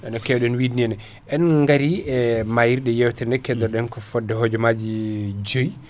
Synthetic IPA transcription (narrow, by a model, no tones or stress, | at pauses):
ʔɛnɔkɛɗɔnwidniɛnɛ | ʔɛnŋɡaɾiɛmajiɾɗɛjɛwtɛndɛkɛdɔɗɛnkɔfɔdːɛɦod͡ʒɔmad͡ʒid͡ʒoj